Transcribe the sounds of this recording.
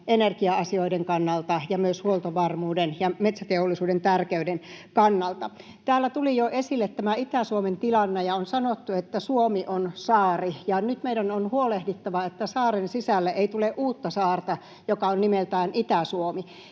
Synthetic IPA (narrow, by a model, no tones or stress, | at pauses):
enerkiɑɑsioideŋkɑnːɑlt̪ɑjɑmyøshuolt̪oʋɑrmuːdenjɑmet̪sæt̪eolːˑisuːdent̪ærkeydenkɑnːɑlt̪ɑ | t̪æːlːæt̪ulijoʔesilːet̪tæmæit̪æsuoment̪ilɑnːejɑonsɑnot̪ːuet̪ːæsuomiʔonsɑːrijɑnyt̪meiɾænonhuolehdit̪ːɑʋɑet̪ːæsɑːrensisælːæʔeit̪uleʔuːt̪ːɑsɑːrt̪ɑ | jokɑonnimelt̪æːnʔit̪æsuomi